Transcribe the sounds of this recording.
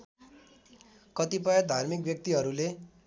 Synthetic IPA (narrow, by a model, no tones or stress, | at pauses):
kʌt̪ipʌjʌd̪ʱarmikbjʌk̚t̪iɦʌɾule